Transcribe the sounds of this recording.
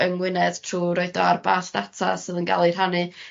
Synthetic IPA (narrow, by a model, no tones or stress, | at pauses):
əŋwɪnɛd̥tʰruːɾoɨdɔarbaːɬd̥atʰa̰sɨːðənɡa̰lˠir̥ɦanɨ